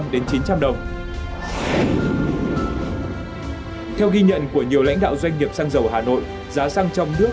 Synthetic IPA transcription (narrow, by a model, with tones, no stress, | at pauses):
mɗe˨˦nt͡ɕi˨˦nt͡ɕa˧mɗə˨˩wŋ͡m | t̪ʰɛ˧wɣi˧ɲə̰˧˨nku˧˩əɲi˨˩əwla̰˧˥jŋ̟ɗa̰ː˧˨wzwa˧jŋ̟ɲi˨˩əp̚saː˧ŋzə˨˩wɦaː˨˩no̰˧˨jʔ | zaː˨˦saː˧ŋt͡ɕɔ˧wŋ͡mnɨ˦˥ə